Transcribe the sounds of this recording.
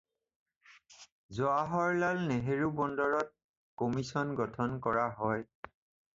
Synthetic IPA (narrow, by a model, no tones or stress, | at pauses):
zɔaɦɔɹlalneɦeɹubɔndɔɹɔt̚ | kɔmisɔnɡɔtʰɔnkɔɹaɦɔj